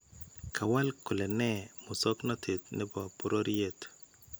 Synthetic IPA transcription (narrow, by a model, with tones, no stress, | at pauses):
kʰa˨wa˦lkʊ˨lɛ˨nɛ˦mʊ˨sɔ˦kna˦tʰɪ˨tne˦ba˨pu˦ɾo˦ɾi˦e˦t